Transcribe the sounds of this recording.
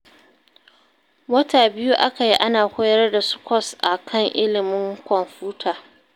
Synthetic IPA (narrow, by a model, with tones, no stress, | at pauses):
wɐ˦taː˨bɪ˦ju˦ʔa˦ka˨ji˦ʔa˦naː˨kʷʊ˦jɐ˦rda˨sʊ̥˦kʷɔ˦sʔa˨kʰɐ˦˨ŋʔɪ˦lɪ˨mɪ˦ŋkʷɔ˨mɸuː˦tʰaː˨